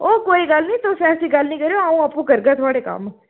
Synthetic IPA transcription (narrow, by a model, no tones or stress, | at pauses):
oːkoːiɡəlnĩːt̪osɛ̃ːsĩɡəlnĩkəɾeoaũːəpːũːkəɾɡãt̪ʰʊaːɽeːkɐ̰m